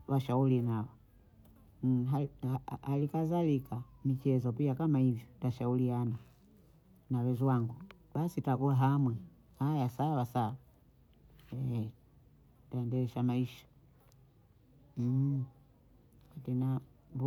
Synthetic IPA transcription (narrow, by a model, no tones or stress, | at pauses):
waʃaulinawɔ | ɦaaalikazalikamit͡ʃɛzɔpiakamahivjɔtaʃauliana | nawɛzwaŋɡu | ɓasitakuaɦamwɛ | hajasawasawa | ɛ | taɛndɛlɛʃamaiʃḁ | hatɛna | b